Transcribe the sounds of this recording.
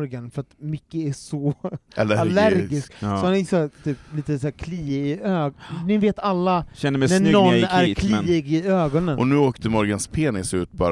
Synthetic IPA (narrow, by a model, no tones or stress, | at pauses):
ɾɡanfœɾat̪mʏkːəæʂɔalalæɾɡɪsksɔhanɪsɛt̪ʰyːpliːt̪əsæːɾkʰliːɪɪøːɡnɪveːt̪alːaɛnːəmɛnænɔnːæɾkʰliɪɡɪøːɡɔnənʔɔnʉ̟ːoːkt̪ʰəmɔɾɡənspʰeːnɪsʉ̟ːt̪bɑ̰ːɾ